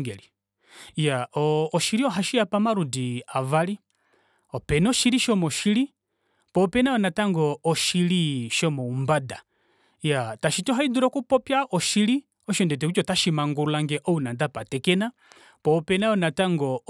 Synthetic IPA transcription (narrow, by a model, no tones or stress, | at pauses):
ŋɡɛli | jaɔːʃiɾiɔɦaʃiapamaɾudiavali | ɔpɛnɔʃiɾiʃɔmɔʃiɾi | pɔpɛnaɔnataŋɡɔɔʃiliʃɔmɔumbada | jataʃitɔɦaiduɾɔkupɔpjaʔɔʃiɾi | ɔʃɔndɛt̬ɛkut͡ʃɔtaʃimaŋɡuulaŋɡɛʔɔunandapatɛkɛna | pɔpɛnaɔnataŋɡɔ